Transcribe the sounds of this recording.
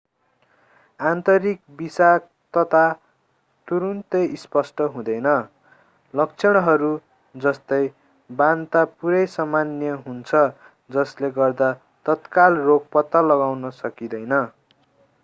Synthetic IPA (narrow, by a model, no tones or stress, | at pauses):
ant̪ʌɾik̚bisak̚ | t̪ʌt̪ʰa | t̪uɾunt̪ʌispʌsʈʌɦũd̪ʌjnʌ | lʌk̚t͡sʰʌɽ̃ʌɦʌɾu | d͡zʌst̪ʌj | bant̪apuɾʌjsʌmanjʌɦunt͡sʰʌ | d͡zʌsleɡʌrd̪a | t̪ʌt̪kalrok̚pʌt̪ːalʌɡawnʌsʌkid̪ʌjnʌ